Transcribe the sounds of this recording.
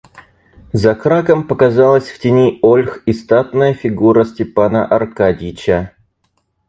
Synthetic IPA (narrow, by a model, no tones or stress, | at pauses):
zɐkɾakəmpəkɐzalˠəsʲftʲɪnʲiolʲxɪst̪at̪nəjəfʲɪɡuɾəsʲtʲɪpanə̰ʔɐrkadʲit͡ɕə